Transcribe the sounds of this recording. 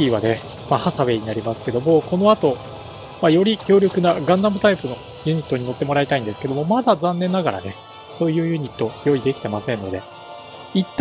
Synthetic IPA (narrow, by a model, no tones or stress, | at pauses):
iβane | mahasaβe̞ɲ̟inaɾʲimasɨ̥ke̞d̪o̞mo̞ko̞no̞at̪o̞ | majo̞ɾʲikʲo̞ːɾʲo̞kɯ̟naɡãnd̪amɯ̟t̪aipɯ̟no̞ | jɯ̟ɲ̟it̪ːo̞ɲ̟ino̞t̪ːe̞mo̞ɾait̪aĩnd̪e̞sɨ̥ke̞d̪o̞mo̞mad̪azãnːẽ̞nːaɡaɾa̰ne̞ | so̞ːjɯ̟ːjɯ̟ɲ̟it̪ːo̞jo̞id̪e̞kʲi̥t̪e̞masẽ̞nːo̞d̪e̞ | it̪ː